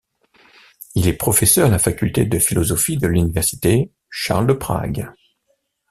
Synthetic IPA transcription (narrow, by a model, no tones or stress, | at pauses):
ilɛpχɔfɛsœʁalafakʲylt̪ed̪əfilɔzɔfid̪əlynivɛʁsi̥t̪e | ʃa̰ʁld̪əpχa̰ɡ